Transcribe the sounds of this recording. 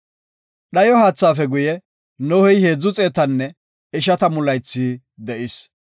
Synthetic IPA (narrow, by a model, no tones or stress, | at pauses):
ɗɐjɔhaːt͡sːaːfɛɡʊjɛ | nɔhɛjhe̞ːd͡zːʊt͡sʼe̞ːt̪ɐnːɛ | ɪʃɐt̪ɐmʊlɐjt͡sːiː | d̪ɛʔɪs